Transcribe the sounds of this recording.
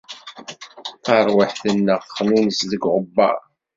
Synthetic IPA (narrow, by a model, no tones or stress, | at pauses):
θɑɾˤwəħθənːəʁːminəsðəɡʁəbːɑ̰ʁ